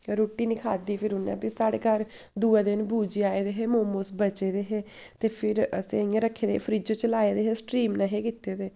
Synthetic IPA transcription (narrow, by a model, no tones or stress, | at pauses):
ɾoːʈːiːnikʰaːd̪iːpʰɪɾʊnːɛ̰ːpɪsaːɽḛːkaɾ | d̪uːɛːd̪ɪnbuːd͡ʒiːaːeːd̪eːɦeːmoːmoːsbət͡ʃeːd̪eːɦeː | t̪eːpʰɪɾəseŋẽɾəkʰːeːd̪epʰəɾiːd͡ʒõːt͡ʃəlaːeːd̪eːɦeːsʈɾiːmnaɦeːkɪt̪eːd̪eː